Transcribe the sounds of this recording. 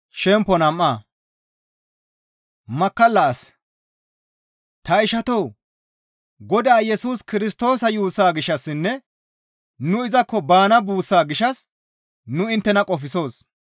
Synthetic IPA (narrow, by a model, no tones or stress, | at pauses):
ʃɛmpːɔnɐmːaː | mɐkːɐlːɐɐs | t̪ɐɪʃɐt̪ɔw | ɡɔd̪aːjɛsuːskɪɾɪst̪o̞ːsɐjuːsaːɡɪʃɐsːɪnːɛ | nʊɪzɐkːɔbaːnɐbuːsːaːɡɪʃɐs | nʊɪnt̪ːɛnɐkʼɔfɪso̞ːs